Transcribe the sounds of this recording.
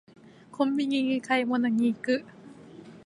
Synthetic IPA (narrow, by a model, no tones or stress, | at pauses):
kʰommiːŋiːŋikʰajmnaŋiːkɯʔ